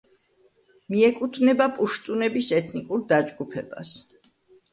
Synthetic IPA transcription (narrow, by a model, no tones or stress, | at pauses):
miɛkʼut̪ʰvnɛbapʼuʃt̪ʼunɛbisɛt̪ʰnikʼuɾd̪ad͡ʒɡupʰɛba̰s